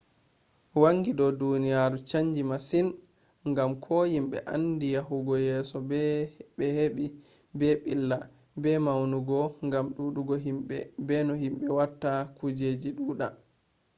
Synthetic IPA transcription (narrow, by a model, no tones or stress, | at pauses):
waŋɡiɗɔdunijaɾut͡ʃaɲd͡ʒimasin | ŋɡamkʰɔjimɓɛ̰ʔa̰ndijaɦuɡɔjɛːsɔbbɛheɓi | bɛɓilːa | bɛmawnuɡɔŋɡamɗuɗuɡɔɦimɓɛ̰bɛnɔhimɓɛwatːakud͡ʒed͡ʒiɗuːɗa